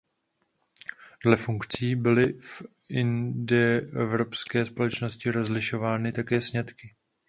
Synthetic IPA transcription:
dlɛfuŋkt͡siːbɪlɪf | ʔɪndɛɛvɾo̞pskɛːspo̞lɛt͡ʃno̞scɪɾo̞zlɪʃo̞vaːnɪt̪akɛːsɲɛt̪kɪ

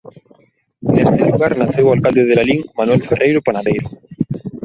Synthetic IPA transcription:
nest̪eluɣaɾnaθewalkald̪eðelaliŋmanwɛlferʔejɾopanaðejɾʊ

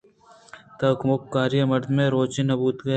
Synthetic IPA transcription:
t̪ɐkmʊkːaːɾjəmɐɾd̪mẽɾoːt͡ʃenːɐbuːt̪ɡɐ

